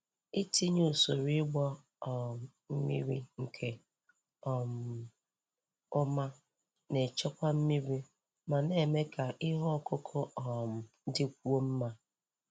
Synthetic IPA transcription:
i˦ti˦ɲu˦˨so˨ɾi˦ɡ͡bɔ˦˨ | m̩˦mi˦ɾi˦ŋ̩˨kʰe˨ | ɔ˨m̩˨ | ʊ˦ma˦ | ne˨t͡ʃɔ˦kʷa˦m̩˦mi˦ɾi˦ | ma˨ne˨me˦kʰa˨ʔɪ˦ɦɔ˦kʊ˦kʰʊ˦ɔ˨m̩˨ | dɪ˦k̚ʷu˦o˦m̩˦ma˦

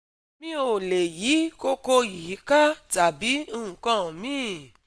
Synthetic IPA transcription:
mĩ˦o˨le˨ji˨˦ko˧ko˧i˨hi˨˦ka˦ta˨bi˨˦ũ˦ũ˨kã˦˨mĩː˦

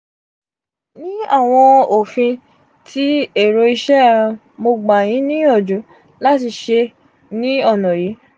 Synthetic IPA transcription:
nĩ˦a˦˨w̃ɔ̃˧o˨fĩ˧ | tʰi˦e˦˨ɾo˧i˧ʃɛ̃˦˧ | mo˧ɡ͡ba˨j̃ĩ˨˦nĩ˦ɔ˦˨d͡ʒu˨˦ | la˦ti˧ʃe˧ | nĩ˦ɔ˦˨nɔ̃˨ji˨˦

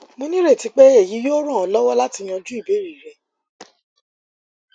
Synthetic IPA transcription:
mo˧nĩ˦ɾe˦˨ti˨˧k͡pe˦e˦˨ji˨˦jo˦ɾ̃ã˦˨ɔ˨˧lɔ˦wɔ˦la˦ti˧j̃ɔ̃˧d͡ʒu˦i˦˨be˨˦ɾi˦˨ɾɛ˨

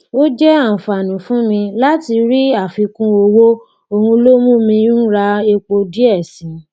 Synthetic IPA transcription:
wo˦d͡ʒɛ˦ã˦˨fa˨nũ˨fũ˨˦mĩ˧la˦ti˧ɾi˦a˦˨fi˧kũ˦o˧wo˦ | o˧hũ˧lo˦mũ˦mĩ˧˦n̩˦ɾa˧e˧k͡po˧di˦ɛ˦˨sĩ˨˦

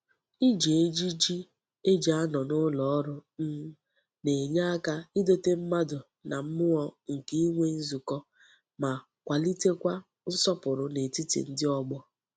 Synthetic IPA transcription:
i˦d͡ʒe˨e˦d͡ʒi˦d͡ʒi˦ | e˦d͡ʒa˦nɔ˨nʊ˦lɔ˨ɔ˦ɾʊ˦n̩˦ | ne˨ɲa˦a˦ka˦ɪ˦do˦te˦m̩˦ma˦dʊ˨ | na˨m̩˦mʊ˦ɔ˦ŋ̩˨ki˦i˦ŋʷe˦n̩˦zu˨kɔ˦ | ma˨ | kʷa˨li˦te˦kʷa˦ | n̩˦sɔ˦pʊ˨ɾʊ˨ne˨ti˦tḭ˨n̩˦dɪ˦ɔ˦ɡ͡bɔ˦

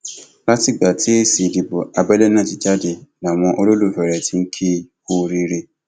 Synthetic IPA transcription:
la˦ti˨ɡ͡ba˨tʰi˦e˦si˨di˨bo˨a˨bɛ˦lɛ˦nã˦˨ti˨d͡ʒa˦de˨na˨w̃ɔ̃˧ʔo˧lo˦lo˦˨fɛ˨ɾɛ˨ti˨˦ŋ̩˦kʰi˦˨ | o˦˨ɾi˧˦ɾe˦˨

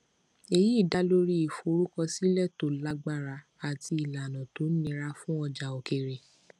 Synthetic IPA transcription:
e˧ji˦˨da˨˦lo˦ɾi˦i˨fo˧˦ɾu˦kɔ˧si˦lɛ˦˨to˨la˧ɡ͡ba˦˨ɾa˧ | a˨ti˧i˨la˨nɔ̃˨to˨˦nĩ˧ɾa˧fũ˦ɔ˧d͡ʒa˨o˨ke˧ɾe˨

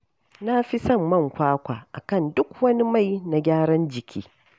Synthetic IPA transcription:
na˦ɸi˦sɐ˦˨mːɐ˦˨ŋkʷaː˦kʷaː˨ʔa̰˨kɐ˦˨ndʊ˦kwɐ˦ni˦ma˦˨jna˨ɡʲaː˦ɽɐ˦nd͡ʒɪ˨kʲʰḭː˦

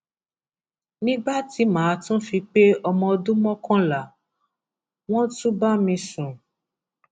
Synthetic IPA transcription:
nĩ˦ɡ͡ba˦ti˨˦mãː˨˧tũ˦fĩ˧k͡pe˦ɔ˧mɔ̃˧dũ˦mɔ̃˦kɔ̃˦la˨ | w̃ɔ̃˦tũ˦ba˦mĩ˧sũ˨

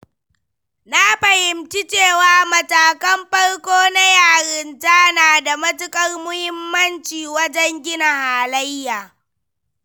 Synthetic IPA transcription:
na˦ɸɐ˨hɪ˨mt͡ʃi˦t͡ʃeː˦˨waː˦mɐ˨taː˨kɐ˦mɸɐ˦ɽkʷoː˦na˦jaː˨ɾɪ˦ntaː˦naː˨da˨mɐ˦tʊ˦kʼɐ˦rmʊ˦hɪ˦mːɐ˦nt͡ʃiː˨wɐ˦d͡ʒɛ˦ŋɡʲɪ˦na˨haː˨lɐ˦jːaː˨

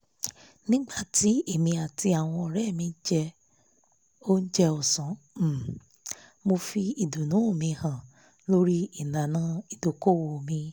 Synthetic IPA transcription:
nĩ˦ɡ͡ba˦˨ti˨˦e˦˨mĩ˧a˨ti˧a˨w̃ɔ̃˧˨ɾɛ˦˨mĩ˧˦d͡ʒɛ˧ | o˦n̩˦d͡ʒɛ˧ɔ˨sã˨˦˨ | mo˧fi˧i˨du˨nũ˨˦˨mĩ˧hã˨ | lo˦ɾi˦i˦˨nã˨nã˨˦i˨do˨ko˦˨wo˧˨mĩ˧

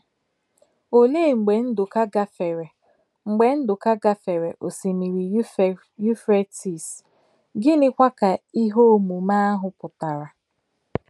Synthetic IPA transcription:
o˨leː˦˨ŋ͡m̩˨ɡ͡be˨n̩˦dʊ˨ka˦ɡa˦fe˨ɾe˨ | ŋ͡m̩˨ɡ͡be˨n̩˦dʊ˨ka˦ɡa˦fe˨ɾe˨ʔo˨si˨mi˨ɾi˨˦˨ | ju˦fɾe˦ti˨s | ɡɪ˦nɪ˦kʷa˦ka˨i˦ɦo˦mu˨ma˦a˦ɦʊ˨pʊ˨ta˨ɾa˨

